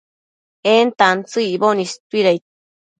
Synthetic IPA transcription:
ent̪ant͡sɨibonist̪wiɾajt̪̚

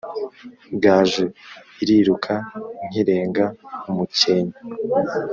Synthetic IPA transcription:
bɡaːʒu | iɾiɾukʰaŋ̥iɾe̞ːŋɡaumuceɲa

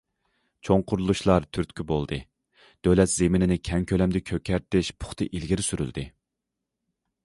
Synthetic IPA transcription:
t͡ʃʰoŋqʰʊɾlˠuʃlˠɑɾt̪ʰyɾt̪kʲʰibolˠd̪ɨ | d̪̥ølɛt̪z̥emɪnɪnɪkʲʰɛŋkʲʰølɛmd̪ɪkʲʰøkʲʰɛɾt̪ɪʃpʰʊ̥χt̪ʰɨʔilɡʲiɾɪsyɾy̰ld̪ɪ

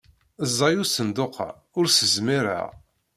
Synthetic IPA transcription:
əzˤːɑjusənd̪oqʰa̰ | ʊɾsəzmiɾa̰ʁ

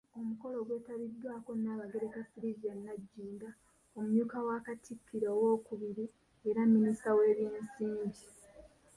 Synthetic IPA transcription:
o̞muko̞lo̞ɡwe̞ːtaβidːwaːko̞nːaːβaɡe̞ɾe̞kafiɾid͡ʒannaɟːiːnda | o̞muɲuːkawaːkatʰikʰːiɾoowo̞ːkuβiɾi | eɾamːinistawe̞ːβjiːnsiːɲɟi

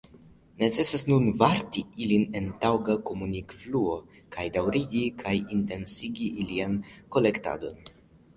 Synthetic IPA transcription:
ne̞t͡se̞sasnunvaɾtiiline̞ntawɡako̞munikfluo̞ | kʰajdawɾiɡikʰajinte̞nsiɡiʔilianko̞le̞kta̰do̞n

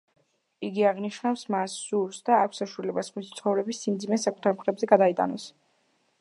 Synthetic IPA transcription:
iɡiaʁniʃnafsmasːuɾsd̪aːkʷʰsaʃuɛlɛbasχmisit̪sʰχɔvɾɛbisːimd̪zimɛsakʼut̪ʰaɾmχɾɛbzɛɡad̪ait̪ʼa̰nɔs

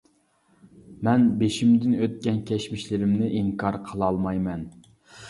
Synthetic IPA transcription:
mɛnbeʃimd̪ɪnøt̪̚kʲɛnkʲʰɛʃmɪʃlɪɾɪmnɪʔiŋkʰɑɾqʰəlˠɑlˠmɑjmɛn

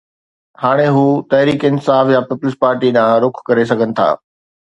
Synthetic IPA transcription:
haːɽ̃eɦuːt̪ɐɦɾiːkɪnsaːfjapɪplɪspaːɾʈiɗãːɾʊkʰkɐɾes̬ɐɡʱənɪ̆t̪ʰa̰ː

